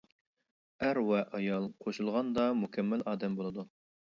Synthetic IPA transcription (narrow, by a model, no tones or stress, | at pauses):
æɾwɛʔɑjɑlˠqʰoʃulˠʁɑnd̪ɑmukʲʰɛmːɪlɑːd̪ɛmbolˠɨd̪u